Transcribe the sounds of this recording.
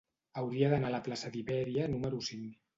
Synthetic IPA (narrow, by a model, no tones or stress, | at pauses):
awɾiaðənalaplasəðiβɛɾianuməɾusiŋ